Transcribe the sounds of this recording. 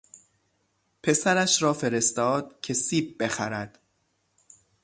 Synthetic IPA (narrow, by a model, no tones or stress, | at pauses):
pʰe̞sæɾæʃɾɒːfe̞ɾe̞st̪ɒːd̪̥̚cʰe̞siːb̚be̞xæ̰ɾæd̪̥